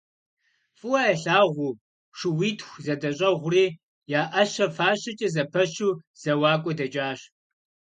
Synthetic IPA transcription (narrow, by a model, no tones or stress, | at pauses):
fʼɨwɐɐɬaːʁʷʊː | ʂɪwiːtʰxʷzɐdɐɕʼɐʁʷʊriː | jaːʔɐɕɐfaːɕɪt͡ʃʼɐzɐpʰɐɕuːz̥ɐwaːkʷʼɔdɐt͡ʃʼaːɕ